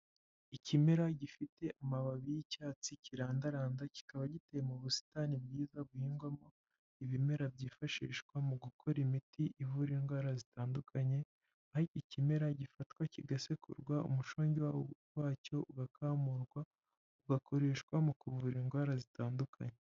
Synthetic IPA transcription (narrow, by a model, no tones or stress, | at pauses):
icimeɾaɟifite̞ʔamaβaβijicaːt͡siciɾaːndaɾaːndaci̥kaβaɟitejemuβusi̥tanibɡiːzab̚ɡuɡiːŋɡwamo̞ | iβime̞ɾabɟiːfaʃḭːʃkwamuɡukʰo̞ɾimitiʔivuɾiŋɡwaːɾazitaːndukʰaɲe̞ | aiicime̞ɾaɟifatkwaciɡasekʰṵɾɡwaʔṵmuʃoːɲɟiwawowaːco̞ʔuɡakʰaːmuɾɡwa | uɡako̞ɾe̞ːʃkwamukuvuɾiŋɡwaːɾazitaːndukʰa̰ɲe